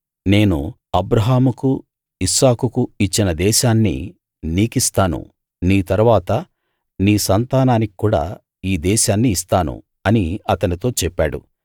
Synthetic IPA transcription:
ne̞ːnṵ | ɐbɾɐɦaːmuku | isaːkukuit͡ʃːinɐd̪ɛːʃaːnːḭ | niːkist̪aːnṵ | niːt̪ɐɾuʋaːt̪ɐ | niːsɐnt̪aːnaːniki̥kːuːɽa̰ː | iːd̪ɛːʃaːnːiːst̪aːnṵ | ɐniɐt̪ɐnit̪o̞ːt͡ʃɛpːa̰ːɽṵ

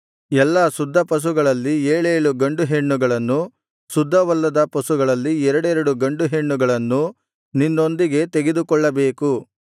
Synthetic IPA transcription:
ɛlːɐsud̪ʱːɐpɐs̬uɡɐɭɐlːieːɭeːɭuɡɐɳɖuɦeɳːuɡɐɭɐnːu | sud̪ʱːɐʋɐlːɐd̪ɐpɐsuɡɐɭɐlːiɛɾɐɽɛɾɐɽuɡɐɳɖuɦeɳːuɡɐɭɐnːu | ninːo̞nd̪iɡe̞t̪eɡe̞d̪ukɔɭːɐbe̞ːku

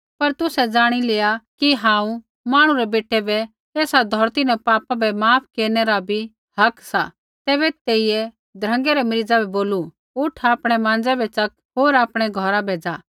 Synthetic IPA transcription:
pɐɾt̪ʊsɛd͡zaːɽ̃ileːakiɦãːũ | maːɽ̃uɾɛbeːʈɛbɛ | eːsad̪ʱɔɾt̪inɛ̃paːpabɛmaːpʰkeːɾnɛɾabʱi | hɐksa | t̪ɛːβɛt̪eːijɛ | d̪ʱɾə̃ŋɡɛɾɛmɾid͡zabʱɛboːlu | ʊʈʰaːpɽ̃ɛmãːnd͡zɛbɛt͡ʃɐk | ɦoːɾaːpɽ̃ɛɡʱɔɾabʱeːd͡za

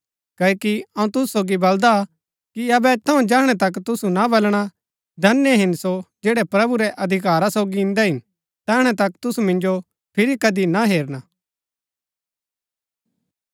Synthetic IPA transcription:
kɐːkiɐũt̪ʊsusoːɡibɐld̪a | kiɐbɛt̪ʰɐũd͡ʒɛːɦɽ̃ɛt̪ɐkt̪ʊsunabɐlɽ̃a | d̪ʱɐnjeɦɪnsod͡ʒeːɽɛpɾɐbuɾɛʔɐd̪ʱɪkaːɾasoːɡiɪ̃nd̪ɛɦɪn | t̪ɛːɦəɽ̃ɛt̪ɐkt̪ʊsumɪ̃nd͡ʒo | pʰɪɾikɐd̪inaɦeːɾñaː

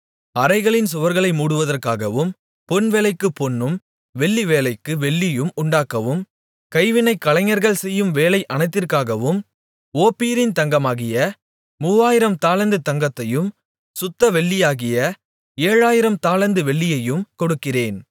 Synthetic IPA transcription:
ɐɾɐɪɣɐɭɪnsʊʋɐɾɣɐɭɐɪmuːɽɯʋɐðɐrkaːɣɐʋɯm | pɔnʋeːlɐɪkːɯpːɔnːɯm | ʋɛɭːiʋeːlɐɪkːɯʋɛɭːɪjɯmʊɳɖaːkːɐʋɯm | kɐɪʋɪnɐɪkːɐlɐɪŋɐɾɣɐɭsɛjːɯmʋeːlɐɪʔɐnɐɪt̪ːɪrkaːɣɐʋɯm | oːpːiːɾɪnt̪ɐŋɡɐmaːɣɪjɐ | muːʋaːjɪɾɐmt̪aːlɐnd̪ɯt̪ɐŋɡɐt̪ːɐjɯm | sʊt̪ːɐʋɛɭːɪjaːɣɪjɐ | eːɻaːjɪɾɐmt̪aːlɐnd̪ɯʋɛɭːɪjɐjɯmkɔɽɯkːɪreːn

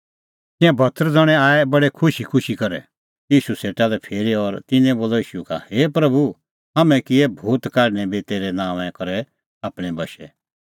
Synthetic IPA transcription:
t̪ɪ̃ãbʱɐt̪ʰːəɾd͡zɔɽ̃ɛ̃aːɛbɐɽekʰʊʃikʰʊʃikɐɾɛ̰ | jiːʃuseːʈalɛpʰeːɾiɔɾt̪ɪnɛ̃boːloiːʃuka̰heːpɾɐbu | ɦɐmɛ̃kiebʱuːt̪kaːɖñɛbit̪eːɾɛnãːʋɛ̃kɐɾɛ | aːpɽ̃ɛ̃bɐʃɛ

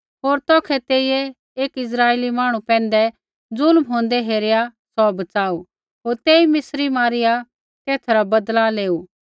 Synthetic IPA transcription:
ɦoːɾt̪ɔːkʰɛt̪eːijɛ | eːkɪs̬ɾaːeːlimaːɽ̃ũpɛ̃ːn̆d̪ɛ | d͡zʊlmɦõːnd̪ɛɦeːɾɪjasɔbɐt͡saːu | ɦoːɾt̪eːimɪsɾimaːɾɪja | k̪eːt̪ʰɾabɐd̪laleːuː

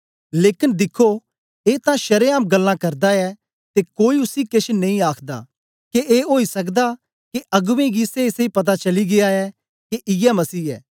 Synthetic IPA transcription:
leːkɪnd̪ɪkʰo | eːt̪ãʃɐɾeaːmɡɐlːãkɐɾd̪aɛ | t̪ekoːiʊsikeʃʰnɐ̃ĩaːkʰd̪a̰ː | keʔeːɦoːisɐk̬d̪a | keʔɐɡʋẽɡiːseɪsipɐt̪̬at͡ʃɐliɡɪaɛ | keʔɪjɛmɐsiːɛ̰ː

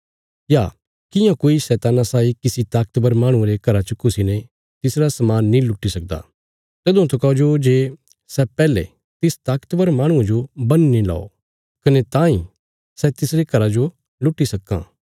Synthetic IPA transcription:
jaː | kɪjãkoːisɛːt̪aːnasaːikɪsit̪aːkət̪bəɾmaːɽ̃ũeɾekɐɾat͡ʃəkʰʊsinɛ | t̪ɪsɾasɐmaːnːĩlʊʈːisɐk̚d̪a̰ | t̪eːd̪ʊ̃t̪ɐkɐod͡ʒod͡ʒeː | sɛpɛːlḛ | t̪ɪst̪aːkt̪bəɾmaːɽ̃ʊ̃ãd͡ʒobɐnnĩla̰ːo̰ | kɐnet̪ãːĩ | sɛt̪ɪsɾekɐɾad͡ʒo | lʊʈːisɐkːã̰ː

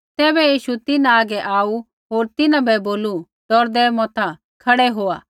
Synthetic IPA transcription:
t̪ɛːbɛjiːʃut̪ɪnãaːɡɛʔaːu | ɦoːɾt̪ɪnãbɛboːlu | d̪̥ɔɾd̪ɛːmɔ̃ːt̪ʰa | kʰɐɽɛɦoːaː

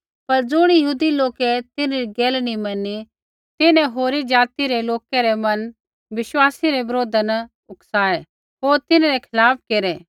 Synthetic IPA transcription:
pɐɾd͡zʊɽ̃jəɦuːd̪iloːkɛt̪ɪneɾiɡeːlnimɐnːi | t̪ɪnɛ̃ɦoːɾid͡ʒaːt̪iɾeloːkɛɾemɐ̃n | ʋɪʃwaːsiɾebɐɾoːd̪ənɐ | ʊksaːe | ɦoːɾt̪ɪnaɾɛkʰɪlaːp̚ʰkeːɾɛ

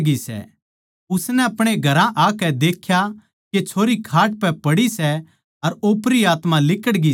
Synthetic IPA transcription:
ɡisɛ̰ | ʊsnɛɐpɽ̃eɡʱɐɾãʔaːkɛd̪eːkʰja | ket͡ʃʰoːɾikʰaːʈ̚pɛpɐɽisɛ | ɐɾoːpɾiaːt̪mãlɪkəɽɡi

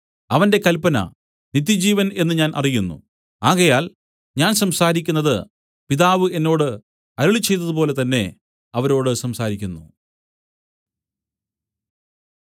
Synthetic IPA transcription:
ɐʋɐnde̞kɐlpːɐnɐ̰ | nit̪̬ːjid͡ʑiːʋɐne̞nːɨɲaːnʔɐ̰rijunːṵ | aːɣɐjaːl | ɲaːnsɐmsaːɾikʲːunːɐðɨ | piðaːʋɨʔe̞nːo̞ːɽɨ | ɐɾuɭit͡ɕːe̞jt̪ːɐðɨp̬o̞ːle̞t̪ɐnːe̞ | ɐʋɐɾo̞ːɽɨsɐmsaːɾikʲːunːṵ

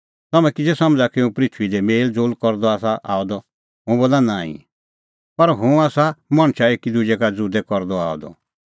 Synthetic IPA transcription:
t̪ɐmɛ̃kid͡zesɐ̃md͡zakiũpɾɪt̪ʰʋid̪ɛmeːld͡zoːlkɔɾd̪ɔaːs̬aʔa̰ːɔd̪ɔ | ɦʊ̃boːlanaːḭ̃ | pɐɾɦʊ̃aːsamɐɽ̃ʃaeːkid̪ud͡ʒɛkad͡zud̪ɛkɔɾd̪ɔa̰ːɔd̪ɔ̰

